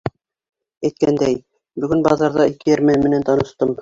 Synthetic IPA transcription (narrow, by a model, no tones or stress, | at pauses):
æjt̪̚kænd̪æj | bɵ̆ɡɘnbɑðɑɾðɑɘ̆lkɘ̆jæɾmænmɘ̆nænt̪ɑnɤ̆ʃt̪ɤm